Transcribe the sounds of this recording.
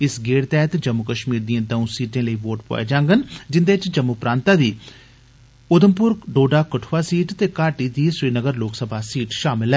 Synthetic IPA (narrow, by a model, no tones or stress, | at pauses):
ɪsɡeːɽt̪ɛːt̪d͡ʒəmːʊkəʃmiːɾd̪iãːd̪əũːsiːʈẽːləiːʋoːʈpo̰ːa̰ːd͡ʒãːŋɡənd͡ʒɪnd̪eːt͡ʃd͡ʒəmːupɾãːnt̪aːd̪iː | ʊd̪əmpʊɾɡɖoːɖaːkəʈʰʋaːsiːʈt̪eːkaːʈiːd̪iːsɾiːnəɡəɾloːksəbʱaːsiːʈʃaːmɪlɛː